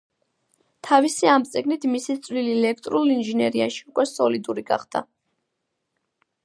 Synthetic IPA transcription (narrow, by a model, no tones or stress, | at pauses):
t̪ʰavisiamt̪sʼɛɡnit̪ʰmisit̪sʼvliliɛlɛkʰt̪ʼɾulinʒinɛɾiaʃiukʼwɛsɔlid̪uɾiɡa̰χd̪̥a̰